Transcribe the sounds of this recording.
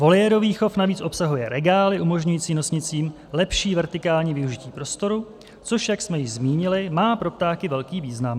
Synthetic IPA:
vo̞ljɛɾoviːxo̞fnaviːt͡sʔo̞psaɦujɛɾɛɡaːlɪʔumo̞ʒɲujiːt͡siːno̞sɲɪt͡siːm | lɛpʃiːvɛɾt̪ɪkaːlɲiːvɪuʒɪciːpɾo̞st̪o̞ɾu | t͡so̞ʃjaksmɛjɪʒzmiːɲɪlɪmaːpɾo̞p̚t̪aːkɪvɛlkiːviːznam

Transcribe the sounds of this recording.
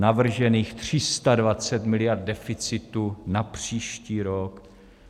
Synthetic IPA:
navr̩ʒɛniːxt̪r̝̥ɪst̪advat͡sɛt̪mɪlɪjaɾd̪̚dɛfɪt͡sɪt̪unapr̥iːʃciːɾok

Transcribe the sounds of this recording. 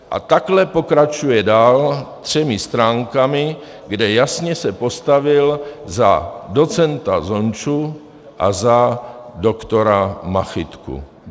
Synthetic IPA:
ʔa̰t̪aklɛpokɾat͡ʃujɛdaːlt̪r̝̥ɛmist̪ɾaːŋkami | ɡdɛjasɲɛsɛpost̪avɪlzadot͡sɛnt̪azont͡ʃu | ʔa̰zadokt̪oɾamaxit̪kṵ

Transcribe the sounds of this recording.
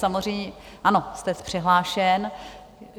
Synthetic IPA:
samozr̝ɛjɲɛ | ʔano̞st̪ɛspr̝̥ɛɦlaːʃɛn

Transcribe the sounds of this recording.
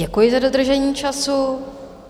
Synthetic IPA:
ɛkujɪzadod̪r̩ʒɛɲiːt͡ʃasu

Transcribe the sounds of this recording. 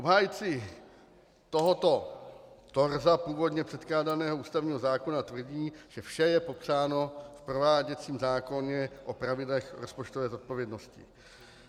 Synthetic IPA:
ʔobɦaːjt͡sɪ | t̪oɦot̪o̞t̪o̞ɾzapuːvo̞dɲɛpr̥ɛt̪klaːdanɛːɦouːst̪avɲiːɦo̞zaːko̞nat̪vr̩ɟiːʒ̥ɛfʃɛjɛpo̞pr̝aːno̞fpɾo̞vaːɟɛt͡siːmzaːko̞ɲɛʔopɾavɪdlɛxɾospot͡ʃt̪ovɛːzo̞t̪̚po̞vjɛdno̞scɪ̰

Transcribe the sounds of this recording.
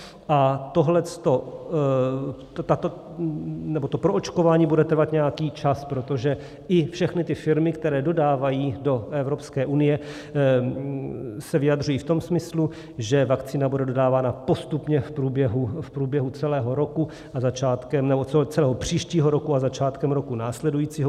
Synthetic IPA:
ʔat̪o̞ɦlɛt͡st̪o̞ | t̪at̪o | nɛbo̞t̪o̞pɾoʔot͡ʃko̞vaːɲiːbudɛt̪ɾr̩vat̪ɲɛjakiːt͡ʃaspɾo̞t̪o̞ʒɛ | ʔɪfʃɛxnɪt̪ɪfɪɾmɪkt̪ɛɾɛːdo̞daːvajiːdo̞ʔɛvɾo̞pskɛːʔunɪjɛ | sɛvɪjad̪r̝ujiːft̪o̞msmɪslu | ʒɛvakt͡siːnabudɛdo̞daːvaːnapo̞st̪upɲɛfpɾuːbjɛɦufpɾuːbjɛɦut͡sɛlɛːɦo̞ɾo̞ku | azat͡ʃaːt̪kɛmnɛboɛt͡sɛlɛːɦopr̝̥iːʃciːɦoɾo̞kuazat͡ʃaːt̪kɛmɾo̞kunaːslɛdujiːt͡siːɦo

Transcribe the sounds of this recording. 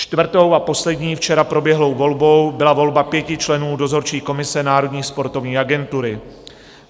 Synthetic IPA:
t͡ʃt̪vr̩t̪o̞wapo̞slɛdɲiːft͡ʃɛɾapɾo̞bjɛɦlo̞wvo̞lbo̞wbɪlavo̞lbapjɛcɪt͡ʃlɛnuːdo̞zo̞ɾt͡ʃiːko̞mɪsɛnaːɾo̞dɲiːspo̞ɾt̪o̞vɲiːʔaɡɛnt̪uɾɪ

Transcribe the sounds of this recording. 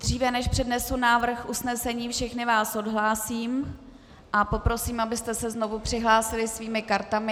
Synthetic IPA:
d̥r̝iːvɛnɛʃpr̝̥ɛdnɛsunaːvr̩xʔusnɛsɛɲiːfʃɛxnɪvaːso̞dɦlaːsiːm | ʔapo̞pɾo̞siːmʔabɪst̪ɛsɛzno̞vupr̝̥ɪɦlaːsɪlɪsviːmɪkaɾt̪amɪ

